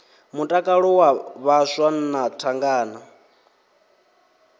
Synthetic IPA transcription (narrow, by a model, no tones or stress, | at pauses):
mutʼakʼaɺɔwaβaʃwanatʰaŋɡaːna